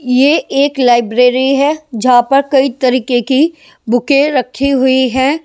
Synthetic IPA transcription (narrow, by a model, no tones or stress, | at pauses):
jeeːklaːɪbɾeːɾiɦɛd͡ʒɐɦãpɐɾkɐit̪ɐɾiːkeki | bʱʊkeɾɐkʰiɦʊiɦɛː